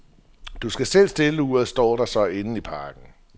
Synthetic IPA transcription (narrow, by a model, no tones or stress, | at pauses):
d̥usɡ̥æsel̰sd̥e̝ləuðɐð̩ˠsd̥ɒ̰ːɾ̥ɑ̈sɒ̽e̝nəipʰɑ̈ːɡ̥n̩